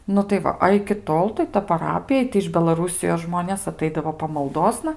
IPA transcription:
ˈnʊ tɐɪ ˈʋɐ ɐ ɪkʲɪ ˈtoːlˠ tɐɪ tɐ pɐˈrɑːpʲɪjɛ tɐɪ ɪʃ bʲɛlˠɐˈruːsʲɪjoːs ˈʒmoːnʲeːs ɐˈtɐɪdɐʋoː pɐmɐlˠˈdoːsnɐ

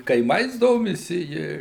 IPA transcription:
kɐɪˈmɐɪs ˈdoːmʲɪsʲɪ ˈjɪ

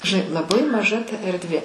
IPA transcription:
ʒʲɪˈnɐɪ lˠɐˈbɐɪ mɐˈʒɐ tɐ ɛrʲdʲˈʋʲeː

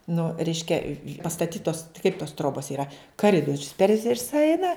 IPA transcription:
nʊ ˈrʲɛɪʃʲkʲɛ pɐstɐˈtʲiːtoːs kɐɪp toːs ˈtroːboːs iːˈrɐ kɐˈrʲɪdoːrʲʊs pʲɛr ˈʋʲɪsɐ ˈɛɪnɐ

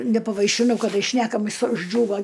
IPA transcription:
nʲɛpɐʋɐɪʃʲɪˈnɐʊ kɐˈdɐɪ ˈʃʲnʲæːkɐmʲɪs ʊʒʲˈd͡ʒʲuːʋɐ

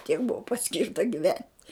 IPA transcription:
tʲiɛk ˈbʊʋoː pɐˈsʲkʲɪrtɐ ɡʲɪˈʋʲɛnʲtʲ

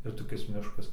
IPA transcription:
ɪr toːˈkʲɪs ˈmʲɪʃkɐs

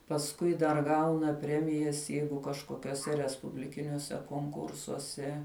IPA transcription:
pɐsˈkʊɪ dɐr ˈɡɐʊnɐ ˈpʲrʲæːmʲɪjɛs ˈjɛɪɡʊ kɐʃkoːkʲuɔˈsʲɛ rʲɛspʊbʲlʲɪˈkʲɪnʲuɔsʲɛ koːŋˈkʊrsuɔsʲɛ

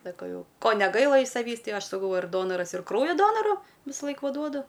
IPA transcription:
sɐˈkɐʊ ˈjɛʊ ˈkoː nʲɛˈɡɐɪlˠɐ ɪʃ sɐˈʋʲiːs ˈtɐɪ ˈɐʃ sɐˈkɐʊ ɪr ˈdoːnoːrɐs ɪr ˈkrɐʊjoː ˈdoːnoːrʊ ʋʲɪsɐˈlˠɐɪk ˈʋɐ ˈduɔdʊ

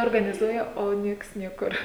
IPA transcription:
oːrɡɐnʲɪˈzuɔjɛ oː ˈnʲiɛks ˈnʲiɛkʊr

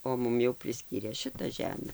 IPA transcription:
oː ˈmʊm jɛʊ pʲrʲɪˈsʲkʲiːrʲeː ˈʃʲɪtɐ ˈʒʲæːmʲɛ

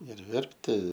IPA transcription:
ɪr ˈʋʲɛrʲpʲtʲɪ

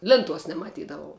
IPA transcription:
ˈlʲɪnˌtuɔs nʲɛmɐˈtʲiːdɐʋɐʊ

